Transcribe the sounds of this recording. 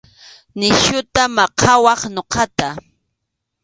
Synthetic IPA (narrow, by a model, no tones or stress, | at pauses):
nɪʃʊt̪amɑqʰɑwɑχnoqɑt̪a